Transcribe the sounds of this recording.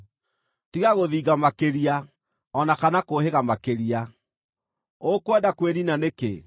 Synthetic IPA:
tiɣaɣoðiːɣamakeɾia | ɔnakanakoɦeɣamakeɾia | okwɛdakweɾinanekḛ

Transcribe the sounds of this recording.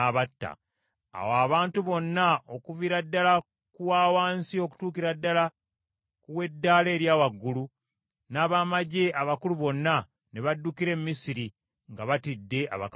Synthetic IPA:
aβatːa̰ː | waːβaːntuβo̞nːaʔo̞kuviɾadːala | kuwaːwaːnsio̞ku̥tuːkiɾadːala | kuwe̞dːaleːɾjaːwaɡːulu | naːβaːmaɟe̞aβakuluβo̞nːa | ne̞βadːukiɾe̞mmisiɾi | ŋɡaβatidːe̞ʔa̰βa̰k

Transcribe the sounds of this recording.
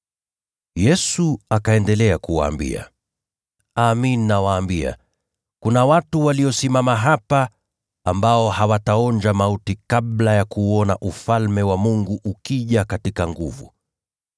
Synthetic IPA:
jɛsuakaɛndɛlɛakuwa̰ːmbḭa̰ | aːmininawaːmbia̰ | kunawatuwaliɔsimamaɦapa | ambaɔhawataɔnd͡ʒamautikaɓlajakuːɔna̰ʔufalmɛwamuŋɡuʔukiʄakatikaŋɡuvṵ

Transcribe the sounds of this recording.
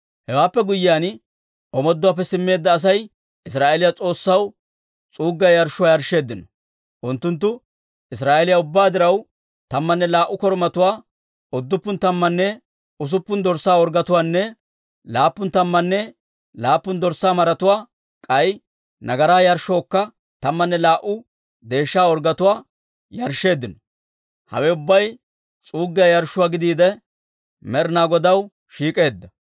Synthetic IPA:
hɛwaːpːɛɡʊjːɪjaːn | ɔmɔd̪ːʊwaːp̬ːɛsɪmːe̞ːd̪ːɐːs̬ɐj | ʔɪs̬ɾaːʔelɪjat͡sʼo̞ːsːɐw | t͡sʼuːɡːɐjɐɾʃːʊwaːjɐɾʃːe̞ːd̪ːɪnɔ̥ | ʔʊnt̪ːʊnt̪ːʊ | ʔɪs̬ɾaːʔelɪjaʊbːaːd̪ɪɾɐw | t̪ɐmːɐnːɛlaːʔːʊkɔɾmɐt̪ʊwaː | ɔd̪ːʊpːʊnt̪ɐmːɐnːɛ | ʊs̬ʊpːʊnd̪ɔɾsaːɔɾɡɐt̪ʊwaːnːɛ | laːpːʊnt̪ɐmːɐnːɛ | laːpːʊnd̪ɔɾsaːmɐɾɐt̪ʊwaː | kʼɐj | nɐɡɐɾaːjɐɾʃːɔːkːɐ | t̪ɐmːɐnːɛlaːʔʊ | d̪e̞ːʃːaːɔɾɡɐt̪ʊwaː | jɐɾʃːe̞ːd̪ːɪnɔ | hɐ̰wɛʊbːɐj | t͡sʼuːɡːɪɐjɐɾʃʊwaːɡɪd̪iːd̪ɛ | mɛɾnaːɡɔd̪ɐw | ʃiːkʼe̞ːd̪ːɐ

